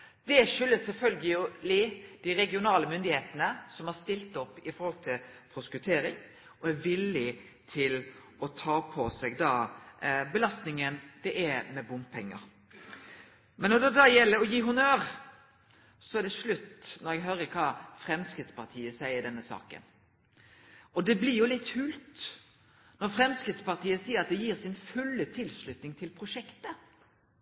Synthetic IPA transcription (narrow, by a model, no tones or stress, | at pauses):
d̪ɛʂʏlːəsɛlfœlɡəlʊlɪd̪̥ɪɾɛɡɪʊnɑːləmʏnd̪ɪheːt̪ənəsɔmhɑɾst̪ɪlt̪ɔpːɪfɔɾhɔlt̪ʰɪlpʰɾʊskʉt̪ʰeːɾɪŋ | ɔæɾʋɪlːɪ | t̪ʰɪl | ɔt̪ʰɑːpʰɔsɛɡd̪ɑːbəlɑst̪nɪŋənd̪̥ɛʔæmɛbʊmpʰɛŋːə̰ɾ | mɛnːɔd̪ɛd̪ɑjɛlːəɾɔjiːɦʉnøːʁ | sɔæɖ̪ɛʂɭʉt̪ːnɔɾɛɡɦøːɾəkʰɑːfɾɛmskɾɪt̪spɑʁt̪ʰiːəsæɪəɖ̪ɛnːəsɑ̰ːkə̰n | ɔd̪ɛblɪjʊlɪt̪ːhʉːlt̪ | nɔɾfɾɛmskʁɪt̪spɑʁt̪iːəsiːəɾɑt̪̚d̪ɛjiːʁsɪnfʉlːət̪ʰɪlslʉt̪nɪŋt̪ʰɪlpʰɾʊʂɛkt̪ə